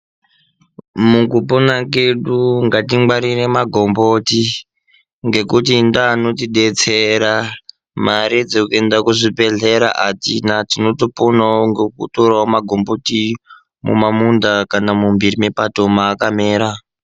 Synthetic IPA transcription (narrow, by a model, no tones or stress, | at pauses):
mukuponake̞ɗuŋɡatiaɾire̞maɡʱomboti | ŋɡe̞kutindaːno̞tiɗet͡seɾa | maɾid͡zekendakuʐipeɮeɾa̰ʔatinatino̞toponaŋɡokutoraomaɡʱo̞mbo̞ti | mṵmamundakanamumbirimepatomaːkameːɾa